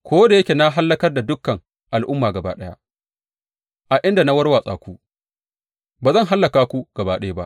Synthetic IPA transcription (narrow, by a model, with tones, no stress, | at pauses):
kʷoː˦da˨je˦kʲe˨na˦ɦa˦lːɐ˦kɐ˦rda˨dʊ˦kːɐ˨ŋ | ʔa˨lʔʊ˦mːaː˨ɡɐ˨ba̰ː˦ɗɐ˦ja̰˦ | ʔa˨ʔɪ˦nda˨na˦wɐ˦rwaː˨sʼaː˨kʷu˦ | baː˨zɐ˦˨ŋɦa˦lːɐ˨kaː˦kʷu˦ɡ̥ɐ˨baː˦ɗɐ˦jba˦ʔ